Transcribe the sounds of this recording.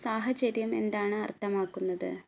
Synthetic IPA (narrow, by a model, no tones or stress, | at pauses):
saːɦɐt͡ɕɐɾjɐme̞̰nd̪aːɳɨɐrt̪ʰːɐmaːkːunːɐðɨ̰